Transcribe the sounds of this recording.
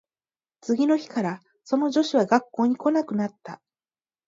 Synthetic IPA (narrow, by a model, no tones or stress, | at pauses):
t͡sɨɡʲino̞çi̥kaɾa | so̞no̞ʑo̞ɕiβaɡakːo̞ːɲ̟iko̞nakɯ̟nat̪ːa